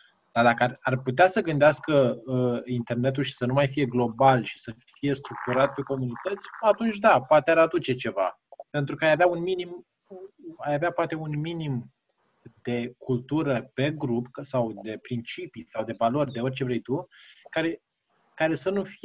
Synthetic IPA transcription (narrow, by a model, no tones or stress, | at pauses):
d̪̥ad̪akəararput̪easəɡɨnd̪easkə | int̪e̞rnet̪̬ulʃi̥sənumajfije̞ɡlo̞balʃi̥sə | fije̞st̪ɾuk̚t̪uɾat̪̚pe̞ko̞munit̪ət̪sʲat̪unt͡ʃʲd̪apoat̪eɾad̪ut͡ʃe̞t͡ʃe̞va̰ | pent̪ɾukəajaveaunminim | ajaveapoat̪e̞unminim | d̪e̞kult̪uɾəpe̞ɡɾupsawd̪e̞pɾint͡ʃipisawd̪e̞valo̞rʲd̪e̞o̞rʲt͡ʃe̞vɾe̞jt̪ukaɾe̞ | kaɾe̞sənufi